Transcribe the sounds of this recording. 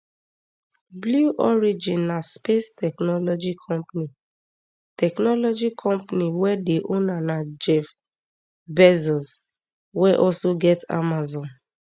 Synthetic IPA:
bluʔɔɹid͡ʒĩnːaspestʰɛknɔlɔd͡ʒikʰɔ̃mpni | tʰɛknɔlɔd͡ʒikʰɔ̃mpniwɛdeʔõnanad͡ʒɛf | bɛzɔs | wɛʔɔlsoɡɛta̰mazɔ̃n

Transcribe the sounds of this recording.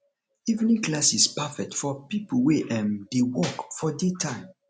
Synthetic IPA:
ivnĩŋklasispafɛk̚tfɔpipəweʔɛ̃ndewɔkfɔditʰãɪ̃m

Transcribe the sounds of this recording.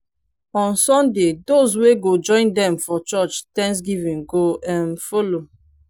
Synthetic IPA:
ɔ̃nsɔ̃ndedozweɡod͡ʒɔ̃ɪ̃ndɛ̃mfɔt͡ʃɔt͡ʃtɛ̃ns̬ɡivĩnɡoɛ̃nfolo

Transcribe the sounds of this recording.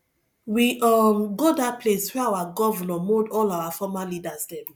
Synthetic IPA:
wiɔmɡodat̚pleswɛawaɡɔvɔnɔmodɔlawafɔmalidazdɛ̃m

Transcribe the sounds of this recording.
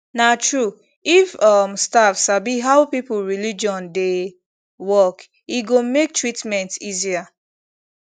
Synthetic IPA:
natɹu | ifɔmstafsabiɦaʊpipʊlɹilid͡ʒɔ̃nde | wɔk | iɡomek̚tɹitmɛ̃ntizia

